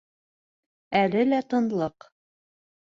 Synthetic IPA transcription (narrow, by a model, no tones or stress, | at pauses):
ælɘlæt̪ɤ̆nlˠɤq